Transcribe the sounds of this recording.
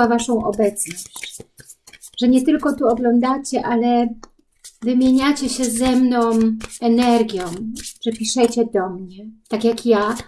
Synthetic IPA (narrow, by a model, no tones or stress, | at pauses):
avaʂɔ̃w̃ʔɔbɛt̪snɔɕt͡ɕ | ʐ̥ɛɲɛt̪ɘlkɔt̪uɔɡlɔnd̪at͡ɕɛʔalɛ | vɘmʲjeɲat͡ɕɛɕɛzɛmnɔ̃w̃ɛnɛɾɡʲjɔ̃w̃ʐ̥ɛpʲiʂɛt͡ɕɛd̪ɔmɲɛt̪akʲjakja